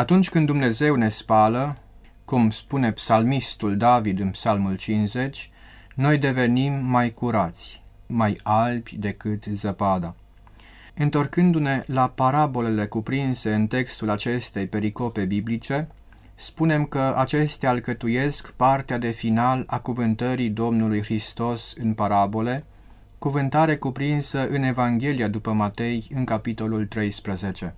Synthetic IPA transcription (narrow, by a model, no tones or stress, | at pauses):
at̪unt͡ʃʲkɨnd̪umne̞ze̞wne̞spalə | kumspune̞psalmist̪uld̪avid̪ɨnpsalmult͡ʃinze̞t͡ʃʲ | no̞jd̪e̞ve̞nimːajkuɾat̪sʲ | majalbʲjd̪e̞kɨt̪zəpad̪a | ɨnt̪o̞rkɨnd̪une̞lapaɾabo̞le̞le̞kupɾinse̞ɨnt̪e̞kst̪ulat͡ʃe̞st̪e̞jpe̞ɾiko̞pe̞biblit͡ʃe̞ | spune̞mkəʔat͡ʃe̞st̪ealkət̪uje̞skpart̪ead̪e̞finalakuvɨnt̪əɾid̪o̞mnulujxɾist̪o̞sɨnpaɾabo̞le̞ | kuvɨnt̪aɾe̞kupɾinsəʔɨne̞vaŋɡʲe̞liad̪upəmat̪e̞jɨŋkapit̪o̞lult̪ɾe̞jspɾəze̞t͡ʃe̞